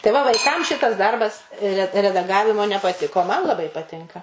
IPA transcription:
tɐɪ ˈʋɐ ʋɐɪˈkɐm ˈʃʲɪtɐs ˈdɐrbɐs rʲɛ rʲɛdɐˈɡɑːʋʲɪmoː nʲɛpɐˈtʲɪkoː oː ˈmɐn lˠɐˈbɐɪ pɐˈtʲɪŋkɐ

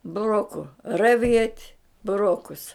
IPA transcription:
bʊˈroːkʊ rɐˈʋʲiɛtʲ bʊˈroːkʊs

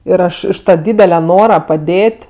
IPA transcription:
ˈɪr ˈɐʃ ɪʃ ˈtɑː ˈdʲiːdʲɛlʲɛ ˈnoːrɐ pɐˈdʲeːtʲ

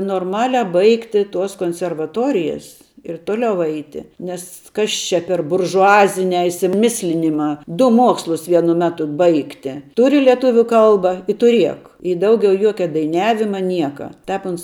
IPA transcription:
noːrˈmɑːlʲɛ ˈbɐɪktʲɪ tuɔs koːnʲsʲɛrʋɐˈtoːrʲɪjɛs ɪr ˈtoːlʲɛʊ ˈɛɪtʲɪ ˈnʲɛs ˈkɐs t͡ʃʲɛ pʲɛr bʊrʒʊˈɑːzʲɪnʲæː ɪʃʲsʲɪˈmʲɪsʲlʲɪnʲɪmɑː ˈdʊ ˈmuɔkslˠʊs ˈʋʲiɛnʊ ˈmʲæːtʊ ˈbɐɪktʲɪ ˈtʊrʲɪ lʲɛˈtʊʋʲuː ˈkɐlˠbɐ ɪ tʊˈrʲiɛk ɪ ˈdɐʊɡʲɛʊ ˈjuɔkʲɛ dɐɪˈnʲæːʋʲɪmɐ ˈnʲiɛkɐ ˈtʲɛːp ˈʊns

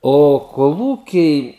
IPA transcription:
oː koːˈlˠuːkʲɛɪ

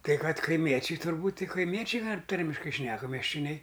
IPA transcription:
kɐɪ ˈkɐt kɐɪˈmʲiɛt͡ʃʲɛɪ tʊrˈbuːtʲ ˈtʲɪk kɐɪˈmʲiɛt͡ʃʲɛɪ ˈtɐrʲmʲɪʃkɐɪ ˈʃʲnʲæːkɐ mʲɛʃʲt͡ʃʲoːˈnʲɛɪ

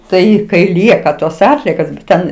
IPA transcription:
ˈtɐɪ kɐɪ ˈlʲiɛkɐ toːs ˈɑːtʲlʲiɛkoːs bʲɛt ˈtʲɛn

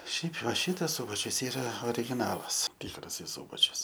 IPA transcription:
ˈʃʲɛɪp ʋɐ ˈʃʲɪtɐs ˈsʊbɐt͡ʃʲʊs ˈiːrɐ oːrʲɪɡʲɪˈnɑːlˠɐs ˈtʲɪkrɐsɐɪ ˈsuːbɐt͡ʃʲʊs

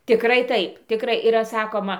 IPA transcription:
tʲɪˈkrɐɪ ˈtɐɪp tʲɪˈkrɐɪ iːˈrɐ ˈsɑːkoːmɐ

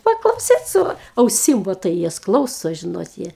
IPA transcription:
pɐklˠɐʊˈsʲiːt ˈsʊ ɐʊˈsʲɪm ʋoː ˈtɐɪ ˈjɛs ˈklˠɐʊsoː ˈʒʲɪnoːt ˈjiɛ

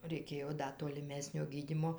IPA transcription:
rʲɛɪˈkʲeːjoː ˈdɐ toːlʲɪˈmʲæːsʲnʲoː ˈɡʲiːdʲiːmoː

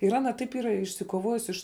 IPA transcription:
ɪr ˈɑːnɐ tɐɪp ˈiːrɐ ɪʃʲsʲɪkoːˈʋoːjʊs ɪʃ

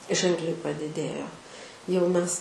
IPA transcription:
ˈʒʲɛŋklʲɛɪ pɐdʲɪˈdʲeːjoː jɛʊ ˈmʲɛs

